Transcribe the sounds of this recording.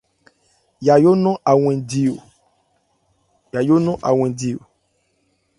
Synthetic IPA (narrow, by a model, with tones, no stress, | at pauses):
ja˨jo˦nɔ̃˦ʔa˨w̃ɛ̃˨di˨o˨ | ja˨jo˦nɔ̃˦ʔa˨w̃ɛ̃˨di˨o̰˨